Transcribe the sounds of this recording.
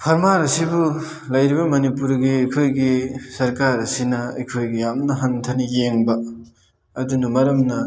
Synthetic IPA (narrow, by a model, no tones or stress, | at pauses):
pʰɐɾmaɾɐsibu | lɐjɾibɐmɐnipuɾɡiɐjkʰojɡisɐɾkaɾɐsinɐɐ̰jkʰojɡijamnɐɦɐntʰɐnijeŋbɐ | ɐdunɐmɐɾɐmnɐ